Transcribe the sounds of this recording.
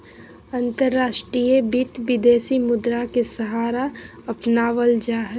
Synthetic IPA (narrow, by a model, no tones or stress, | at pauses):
ɐ̃nt̪əɾːaːʃʈɾiːjebɪt̪ʋɪd̪eːsimʊd̪ɾakesəɦaːɾa | ɐpnaːʋəld͡ʒaːɦə